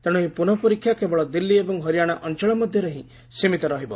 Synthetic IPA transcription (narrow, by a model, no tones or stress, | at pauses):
t̪eɽ̃uɦĩpunɔpɔɾikʰjakebɔɭɔd̪ilːiebɔŋɦɔɾijaɽ̃aʔɔnt͡ʃɔɭɔmɔd̪ʱjɔɾeɦĩ | simit̪ɔɾɔɦibɔ̰